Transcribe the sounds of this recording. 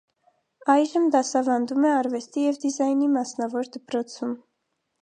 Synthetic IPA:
ɑjʒəmd̪ɑsɑvɑnd̪umɛɑɾvɛst̪ijɛvd̪izɑjnimɑsnɑvɔɾd̪əpɾɔt͡sʰum

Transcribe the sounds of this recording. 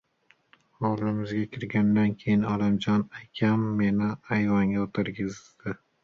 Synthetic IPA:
ɒwlɪmɪzɡʲakʲʰɪɾɡʲand̪ankʲʰejɪnɒlɪmd͡ʒɒnakʲʰamːenɪajvaŋʲaot̪ʰɪɾɡʲɪzd̪̥ɪ

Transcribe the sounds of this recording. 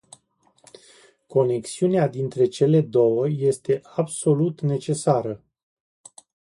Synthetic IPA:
ko̞ne̞ksiunead̪int̪ɾe̞t͡ʃe̞le̞d̪o̞wəje̞st̪e̞ʔabso̞lut̪ne̞t͡ʃe̞saɾə

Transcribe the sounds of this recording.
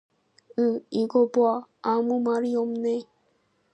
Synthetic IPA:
ɯiɡoboaamumaɾijomne

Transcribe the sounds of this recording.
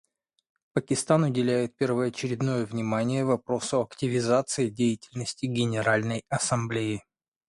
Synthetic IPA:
pəkʲɪst̪anʊdʲɪlʲæjɪt̪̚pʲɪrvəɐt͡ɕɪɾʲɪd̪no̞jəvnʲɪmanʲɪjəvɐpɾo̞sʊɐktʲɪvʲɪzat̪sɨɪdʲejɪtʲɪlʲnəsʲtʲɪɡʲɪnʲɪɾalʲnəjɐsɐmblʲejɪ

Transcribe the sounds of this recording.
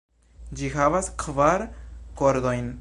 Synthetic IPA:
d͡ʒihavaskʰvaɾkoɾd̪ojn

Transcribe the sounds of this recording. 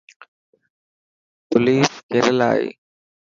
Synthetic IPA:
pʊliːskeɾəla̰ːḛː

